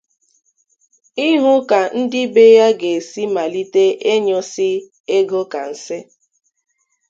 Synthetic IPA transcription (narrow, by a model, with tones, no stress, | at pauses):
i˦ɦʊ˦ka˨n̩˦dɪ˦be˦ja˦ɡe˨si˦ma˨li˦te˦ʔe˦ɲɔ˦sɪ˦ | e˦ɡo˦ka˨n̩˨sɪ˦